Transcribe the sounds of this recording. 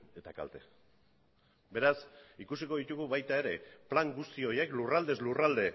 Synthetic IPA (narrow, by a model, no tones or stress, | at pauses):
e̞t̪aka̰lt̪e̞ | be̞ɾasikusiko̞ðit̪uɣuβajt̪ae̞ɾe̞plaŋɡust̪io̞je̞klurald̪e̞zlurald̪e̞